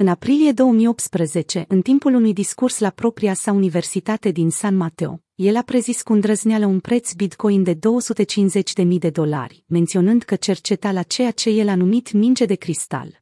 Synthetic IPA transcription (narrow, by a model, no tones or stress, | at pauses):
ɨnapɾilije̞d̪o̞wəmijo̞p̚t̪spɾəze̞t͡ʃe̞ʔɨnt̪impulunujd̪iskurslapɾo̞pɾiasaunive̞rsit̪at̪e̞d̪insanmat̪eo̰ | je̞lapɾe̞ziskund̪ɾəznealəunpɾe̞t̪sbit̪ko̞jnd̪e̞d̪o̞wəsut̪e̞t͡ʃinze̞t͡ʃʲd̪e̞mijd̪e̞d̪o̞la̰rʲme̞nt̪sio̞nɨnd̪kət͡ʃe̞rt͡ʃe̞t̪alat͡ʃe̞jat͡ʃe̞je̞lanumit̪mind͡ʒe̞d̪e̞kɾist̪a̰l